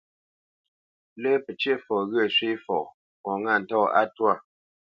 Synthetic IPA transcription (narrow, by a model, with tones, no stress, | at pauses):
lə˦pə˨t͡ʃje˦fɔ˨ɣə˦˨sɥi˦fɔ̰˨ | kɔ˨ŋa˦˨n̩˨tɔ˦˨a̰˦twa˦˨